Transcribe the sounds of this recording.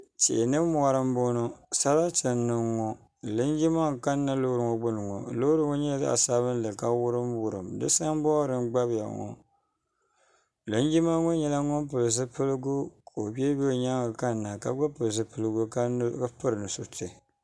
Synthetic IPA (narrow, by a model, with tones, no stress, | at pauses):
t͡ʃḛ˨nɨ˦m˦a˦ɾɨ˦m˦bo˦no˦sa˦la˦tɨ˨nːɨ˨ŋo˨ | lɨ˦nd͡ʒi˦ma˦ŋ˨ka˦nː˦a˦lo˦ɾɨ˨ŋo˦ɡ͡bʊ˦nɨ˨ŋo̰˨lo˦ɾɨ˦ŋo˦ɲɛ˦la˨za̰˦ʔa̰˨saː˦βɨ˦n˦lɨ˨ka˦wʊ˦ɾɨ˦mwʊ˨ɾɨ˨mdɨ̰˦sa˦ŋbɔ˦ɾɨ˦mɡ͡ba˦bja̰˨ŋɔ̰˨ | lɨ˦n˦d͡ʒi˦ma˦ŋo˦ɲɛ˦la˦ŋo˦mp̬ɨ˨lɨ˨z̬ɨ˦pɨ˦lɨ˦ɡu˦ka˨o˨bi˦ɛ˦be˦˨ɲa˦ŋ˨ka˦n˨nːa˨ka˦ɡ͡ba˦pɨ˨lɨ˨s̬ɨ˦pɨ˦lɨ˦ɡu˦ka˦nɨ˦ɡa˦pɨ˦ɾɨ˨nɨ˨so˨tʰɨ˨